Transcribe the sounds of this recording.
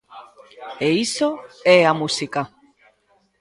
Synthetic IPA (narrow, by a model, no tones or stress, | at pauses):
eisoɛamusika